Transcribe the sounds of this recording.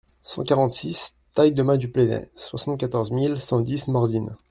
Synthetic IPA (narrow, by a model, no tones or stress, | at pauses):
sɑ̰̃kaʁɑ̃t̪sis | t̪ajd̪əmɛ̃d̪ypled̪ɛ̰̃swasɑ̃t̪̚kat̪ɔʁzmilsɑ̃d̪ismɔʁd̪in